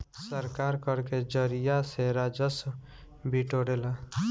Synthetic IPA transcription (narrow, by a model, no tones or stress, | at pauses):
səɾkaɾkəɾked͡ʒəɾijaseɾad͡ʒəs | biʈoɽela